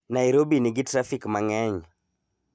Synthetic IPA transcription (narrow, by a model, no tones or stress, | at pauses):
naiɾobiniɡitɾafikmaŋɛɲ